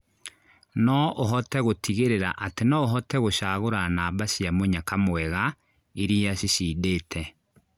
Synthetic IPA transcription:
nɔʔoɦɔtɛɣotʰiɣeɾeɾaʔatenɔoɦɔtɛɣoʃaːɣoɾanaːbaɕiamoɲakamwɛɣa | iɾiaɕiɕiːdeːtʰɛ

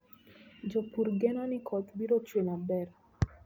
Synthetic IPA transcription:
d͡ʒopuɾɡɛnɔnɪkʰɔt̪biɾot͡ʃwenabɛɾ

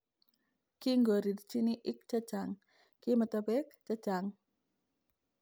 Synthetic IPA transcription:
kiŋɡoɾidit͡ʃiniʔik̚t͡ʃəd͡ʒaŋ | kimət̪əbɛk̚t͡ʃə̥d͡ʒaŋ

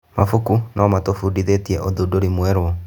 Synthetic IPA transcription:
mafukunaɔmatofudiðetiɛʔoðudoɾimwɛɾwɔ

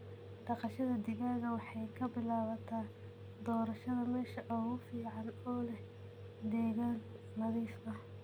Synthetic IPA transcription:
ɖɑqɑʃɐðɐd̪ɪɣaːɣɐwɑħɑjkʰɐbɪlaːβɐt̪ʰaː | d̪ɔːɾɐʃɐðɐmɛːʃɐʔɔːɣʊfiːʕɑnɔːlɛh | d̪ɛːɣaːn | mɐðɛsmɐ

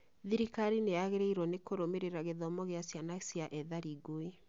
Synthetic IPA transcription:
ðiɾikaɾinejaɣeɾeiɾwɔnekoɾomeɾeɾaɣeðɔmɔɣeasjanasjaʔɛðaɾiɡoe

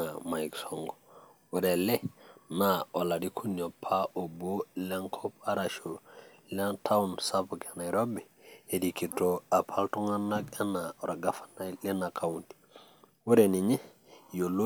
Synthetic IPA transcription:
amajiksoŋɡo | wuɾelenaoladikʰunopʰaʔoboleŋkʰopaɾaʃo | lentʰawunsapokenaiɾobeedikitoapʰaltuŋanakenaoɾaɡafḁnajlenakʰawunti̥ | wuɾeniɲe | jolo

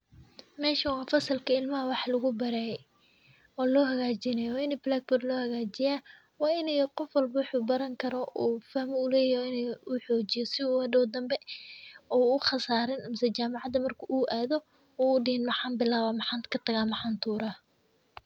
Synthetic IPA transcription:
mɛːʃɐwɑːfɐsɐlkʰɐɪlmɐɦɐwɑħlɐɣʊbɐɾɛj | ɔːlɔːɦɐɣaːt͡ʃɪnɛjwaːɪnɛblaːɡ̚bɔrlɔːhɐɣaːt͡ʃɪjaː | wɑːɪnɛjqɔfwɐlbɐwʊħuːbɐɾɐŋkʰɐɾɔʔuːfahmɔʊlɛːjɔɪnɛʊħɔːt͡ʃɪjɔsɪuːwɐdɔːd̪ɐmbɛ | ɔːʊχɑsaːɾɐnɐmɪsɛt͡ʃaːmɑʕɑd̪ɐmɐrkʰuʔuːʔaːðɔ | ɔːɖɪhɪnmɑħɑːnbɪlaːβɐmɑħɑːnkʰɐt̪ʰɐɣaːmɑħɑːnt̪ʰuːɾaː

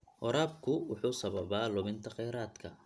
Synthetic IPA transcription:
hɔɾaːb̚kʰʊwʊħuːsɐβɐβaːlʊβɪnt̪ʰɐqɛːɾaːd̪kʰɐ

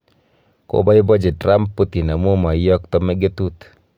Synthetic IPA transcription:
ko̰baibɔd͡ʒɛtramput̪inamumaijɔk̚t̪ɔmɛɡet̪ut̪

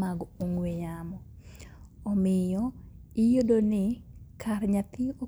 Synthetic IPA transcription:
maɡoŋɡwejamɔ | ɔmɪjɔɪjodonɪkʰarɲat̪ɪo

